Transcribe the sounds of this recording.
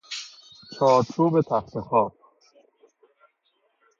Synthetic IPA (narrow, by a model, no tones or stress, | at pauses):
t͡ʃʰɒːɾt͡ʃʰuːbet̪ʰæxt̪ʰexɒːb̚